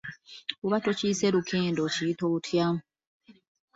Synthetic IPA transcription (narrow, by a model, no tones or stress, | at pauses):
uβatociːseɾukʰeːndociitoβutʰjam